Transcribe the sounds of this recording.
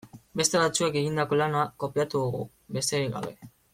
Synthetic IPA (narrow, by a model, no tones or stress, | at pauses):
be̞st̪e̞βat͡sue̞ke̞ɣind̪ako̞lanako̞piat̪uðuɣṵ | be̞st̪eiɣa̰βe̞